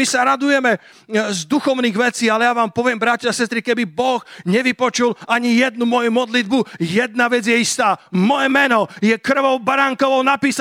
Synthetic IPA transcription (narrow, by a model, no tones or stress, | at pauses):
isaɾad̪ujɛmɛ | zd̪uxɔʊniːɣʋɛt͡siːalɛjaʋaːmpɔʋɪɛmbɾacaasɛst̪ɾikɛbibɔɣɲɛʋipɔt͡ʃulaɲijɛd̪̚numɔjumɔd̪lid̪bujɛd̪naʋɛd͡zjɛist̪aːmɔjɛmɛnɔjɛkr̩ʋɔʊbaɾaŋkɔʋɔʊnapiːs